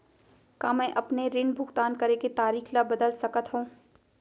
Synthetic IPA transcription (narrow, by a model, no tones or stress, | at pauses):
kãːmɛ̃ːʔɐpneɾɪɳbʱʊɡt̪aːnkɐɾeket̪aːɾiːxlabɐd̪əlsɐkət̪ɦũː